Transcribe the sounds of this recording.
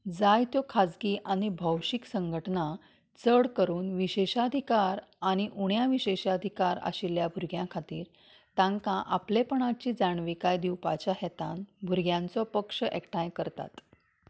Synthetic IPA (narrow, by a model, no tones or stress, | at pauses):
d͡zajt̪jɔkʰad͡zɡiːʔaɽ̃ibʱəwɕiksəŋɡʱəʈna | t͡səɽkəɾuːnʋiɕeɕaəd̪ʱikaɾaɽ̃iʔuɳjaʋiɕeɕaəd̪ʱikaɾa̰ɕiljabʱuɾɡjãkʰat̪iːɾ | t̪ãŋkãʔaplepəɳ̃at͡ɕiːd͡zaɳʋikajd̪iwpat͡ɕaɦɛt̪anbʱuɾɡjãnt͡sɔpəkʂəʔɛkʈajkəɾt̪a̰t̪